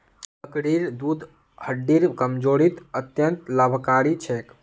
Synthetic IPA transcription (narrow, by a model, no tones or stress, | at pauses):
pəkɽiɾd̪ud̪ʱ | həɖːiɾkəmd͡ʒoɽit̪ət̪jənt̪ləbʱkaɾit͡ʃʰɛk